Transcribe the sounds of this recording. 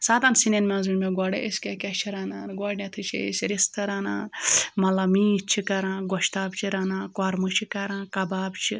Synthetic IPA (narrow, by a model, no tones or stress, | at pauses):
saːt̪ansinenmʲãːzunʲmeɡaːɽḛʔeskʲekʲɛt͡ʃʰiɾaːnaːnɡaːɖnet̪ʰɨt͡ʃʰḛḛsʲɾist̪ʰɐɾaːnaːnmɐlɐmiːt͡ʃʰikɐɾãːɡɔʃt̪aːbt͡ʃʰiɾanãːkaːɾmɨt͡ʃʰikɐɾãːkɐbaːbt͡ʃʰi